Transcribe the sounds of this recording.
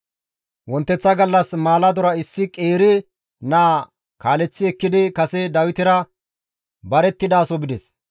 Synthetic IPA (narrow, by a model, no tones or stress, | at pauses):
wɔnt̪ːɛt͡sːɐɡɐlːɐsmaːlɐd̪ɔɾɐɪsːɪkʼeːɾɪ | naː | kaːlɛt͡sːɪɛkːɪd̪ɪkɐsɛd̪ɐwɪt̪ɪɾɐ | bɐɾɛt̪ːɪd̪aːsɔbɪd̪ɛs